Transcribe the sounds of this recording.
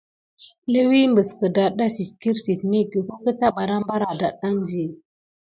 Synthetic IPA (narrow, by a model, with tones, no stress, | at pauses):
lə˦wi˦mbə˨skə˨da˨ɗa˦si˨tki˦ɾsi˨tmi˦ɡə˨ko˦kə˦ta˦ɓa˨ɾa˦mba˦ɾa˨da˨ɗa˦ŋzi˨